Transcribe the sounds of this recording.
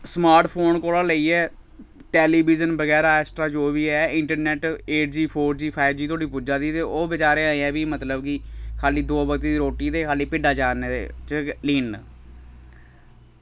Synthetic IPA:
smaːɾʈpʰoːnkoːlãːləiːɛː | ʈɛːliːbiːzənbəɡɛːɾaːɛːsʈɾaːd͡ʒoːʋiːɛːɪ̃ɳʈəɾnɛːʈeːʈ̚d͡ʒiːpʰoːɾd͡ʒiːpʰaːɪbd͡ʒiːt̪ʰoaːɽiːpud͡ʒaːd̪iːt̪eːoːbɪt͡ʃaːɾeːaːẽɛ̃ːbiːmət̪ləbkikʰaːliːd̪oːbəkt̪eːiːɾoːʈiːt̪eːkʰaːliːpɪɖaːt͡ʃaːneːḛt͡ʃliːn

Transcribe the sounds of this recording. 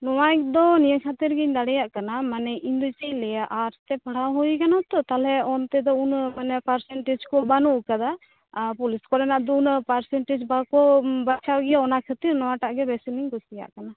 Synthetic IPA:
nɔwakd̪ɔnijəkʰat̪iɾɡiɲd̪aɽɛjaʔkanamanɛʔind̪ut͡ʃiɲlɛjaʔaɾt̪ɛpaɽawɦujkanat̪ɔt̪alɛɔnt̪ɛd̪ɔunmanɛpaɾsɛɳʈid͡ʒkɔbanuʔkad̪a | pɔliskɔɾɛnaʔd̪ɔunpaɾsɛɳʈid͡ʒbakɔbat͡ʃʰawɡɛjaɔnakʰət̪iɾnɔwaʈaʔɡɛbɛsiliŋkɔsija̰ʔkana

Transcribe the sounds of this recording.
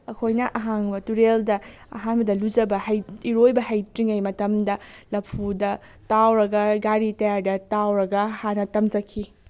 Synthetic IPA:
ɐkʰojnɐʔɐɦaŋbɐtuɾeldɐ | ɐ̰ɦaŋbɐdɐlud͡ʒɐbɐhɐjiɾojbɐɦɐjtɾiŋɐjmɐtɐmdɐlɐpʰudɐ | tawɾɐɡɐɡaɾitɐjaɾdɐtawɾɐɡɐhanɐtɐmd͡ʒɐkʰːi

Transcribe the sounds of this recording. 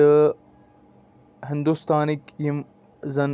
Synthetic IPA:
ə | hɪnd̪ust̪aːnikjim | zɐn

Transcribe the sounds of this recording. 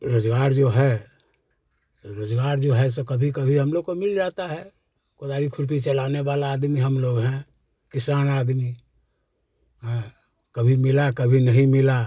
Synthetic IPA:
ɾoːd͡ʒɡaːɾd͡ʒoɦɛ | sɾoːd͡ʒɡaːɾd͡ʒoɦɛs̬ekəbʱikəbʱiɦəmloːɡ̚komɪld͡ʒat̪aɦɛ | kʊd̪aːɾikʰʊɾp̬it͡ʃəlaːneʋalaːd̪miɦəmloːɡɦɛ̃ | kɪsaːnaːd̪mi | ɦɛ̃ | kəbʱimɪlakəbʱinəɦĩmɪla

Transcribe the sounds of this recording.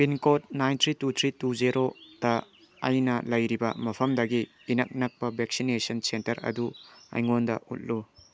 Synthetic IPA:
pinkot̚najntʰɾitutʰɾituzeɾod̥ɐ̰ː | jnɐlɐjɾibɐmɐpʰɐmdɐɡiː | nɐk̚nɐk̚pɐbʱek̚sinesɐnsentɐɾɐ̰duɐ̰jŋondɐ̰ṵt̚lu

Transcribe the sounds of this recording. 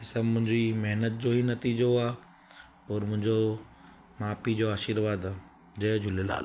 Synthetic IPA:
ɪsəbmʊ̃ɦɪ̃ɲd͡ʑimɐɦnət̪̚d͡ʑoːɦinɐt̪iːd͡ʑoaː | ɔːɾmʊ̃ɦɪ̃ɲd͡ʑo | maːpid͡ʑoaːʃiɾʋaːd̪a | d͡ʑɐːd͡ʑʱʊlela̰ːl

